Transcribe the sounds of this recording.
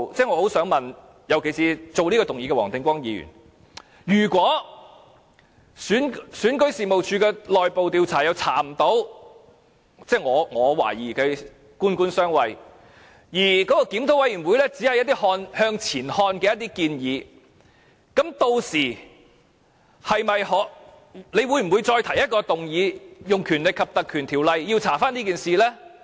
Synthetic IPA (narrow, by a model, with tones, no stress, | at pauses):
t͡sɛː˥˩ŋɔː˨˧ho˨˥wsœː˨˥ŋmɐ˨n | jɐ˨˧wkʰe˨˩jsiː˨˧t͡so˨wliː˥kɔː˧t̪ʊ˨ŋjiː˨˧kɛ˧wɔ̰ː˨˩ŋt̪ɪ˨˧ŋkʷwɔː˥ŋjiː˨˧jy̰ː˨˩n | jyː˨˩kwɔː˨˥ | syː˨˥nsyː˨˥nkɵ˨˥ɥsiː˨˩mo˨wt͡ʃʰyː˧kɛː˧lɔː˨jpo˨˧wt̪iː˧wt͡sʰaː˨˩jɐ˨˧wt͡sʰa̰ː˨˩m̩˨˩t̪o˨˥w | t͡sɛː˥˩ŋɔː˨˧ŋɔː˨˧wa̰ː˨˩jiː˨˩kɛ˧ | kuː˥nkuː˥nsœː˥ŋwɐ˨˧j | jiː˨˩kɔː˨˥kɔː˧kiː˨˥mt̪ʰo˨˥wɐ˨˥jy˨˩nwuː˨˧jlɛː˥t͡si˨˥hɐ˨jɐ˥t̪i˥hɔː˧nhœː˧ŋt͡sʰiː˨˩nhɔː˧nkɛː˧jɐt̪̚i˥kiː˧njiː˨˧ | kɐ˨˥mt̪o˧wsiː˨˩ | hɐ˨jmɐ˨jhɔː˨˥ | le˨˧jwuː˨˧˥jm̩˨˩wuː˨˧jt͡sɔː˧jt̪ʰɐ˨˩jɐ˥t̚kɔː˧t̪ʊ˨ŋjiː˨˧jʊ˨ŋkʰyː˨˩nlɪ˨kʰːɐ˨p̚t̪ɐ˨kʰyː˨˩nt̪ʰiː˨˩wlɐ˨jjiː˧wt͡sʰaː˨˩faː˥nliː˥k̬iː˨nsiː˨lɛː˥